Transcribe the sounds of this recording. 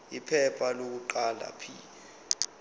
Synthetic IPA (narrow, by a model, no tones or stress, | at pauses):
ipʰɛpʰalok̬uǃala̰pʰiːlɛ